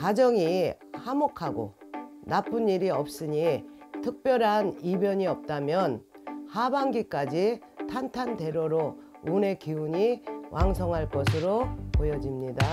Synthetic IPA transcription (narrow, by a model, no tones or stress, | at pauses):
kad͡ʑʌŋi | hamokʰaɡo̰ | nap͈ʰunːiɾiʌp̚s͈ɯɲitʰɯk̚p͈jʌɾɦanibjʌɲiʌp̚t͈amjʌn | habaŋɡik͈ad͡ʑi | tʰantʰante̞ɾoɾo | une̞kiuɲiwʔaŋsʰʌŋɦaɭk͈ʌsʰɯɾopojʌd͡ʑimɲida